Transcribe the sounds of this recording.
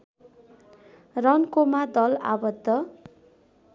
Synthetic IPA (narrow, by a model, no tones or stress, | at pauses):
rʌnkomad̪ʌla̰bʌd̪ʱːʌ